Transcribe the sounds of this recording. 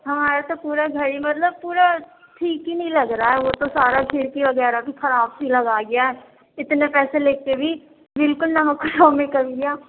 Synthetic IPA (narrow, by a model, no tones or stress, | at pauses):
ɦɐmaːɾat̪opuːɾaɡʱəɽimɐt̪ləb̚puːɾa | ʈʰiːkɦinəĩləɡɾaːɦɛʋoːt̪osaːɾakʰɪɾkiʋəɡɛːɾabixəɾaːbsiləɡaːɡɪjaɦɛː | ɪt̪nepɛːseleːkebʱiː | bɪlkʊlnəməkʰːnaːmẽkəʋiɡɪjaː